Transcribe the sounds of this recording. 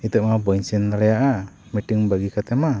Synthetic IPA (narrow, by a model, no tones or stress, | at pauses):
it̪ɛʔmabɔiɲsinalɛaʔa | miʈiŋbaɡikat̪ɛma